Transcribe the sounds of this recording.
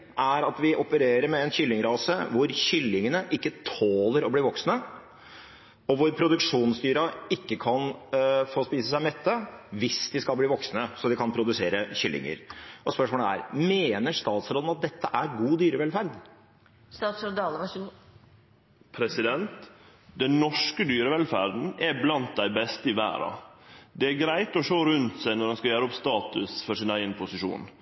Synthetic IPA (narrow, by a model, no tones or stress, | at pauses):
ʔæɾɑt̪ʋɪʔɔpəɾeːɾəɾmɛɛnçʏlːɪŋɾɑːsə̰ʋʊɾçʏlːɪŋənəʔɪkːət̪ʰoːləɾɔbliːʋɔksnə | ɔʋʊɾpʰɾʊd̪ʉkʂuːnst̪yːɾɑɪkːəkʰɑnfoːspiːsəsæɪmɛt̪ːəʋɪsd̪ɪskɑlbliːʋɔksnəsɔd̪ɪkʰɑnpʰɾʊd̪ʉseːɾəçʏlːɪ̰ŋə̰ɾɔspœʂmoːləæ̰ɾmeːnəʂt̪ɑːt̪sɾoːd̪n̩ɑt̪̚d̪ɛt̪ːəʔæɾɡuːd̪yːɾəʋɛlfæɾd̪ | st̪ɑːt̪sɾoːd̪ɑlə | pʰɾɛsɪd̪ɛnt̪ | d̪ɛnnɔʂkəd̪yːɾəʋɛlfæɾd̪n̩æblɑnt̪̚d̪æɪbɛst̪əɪʋæ̰ːɾɑ̰d̪ɛæɾɡɾæɪt̪ɔʂoːɾʉnt̪sæɪnɔɾd̪ɛnskɑjæːɾəɔpst̪ɑːt̪ʉsfɔʂɪnæɪɡənəpʰʊsɪʂṵːn